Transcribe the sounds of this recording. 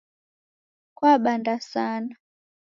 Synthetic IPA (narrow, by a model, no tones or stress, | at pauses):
kwaɓandasana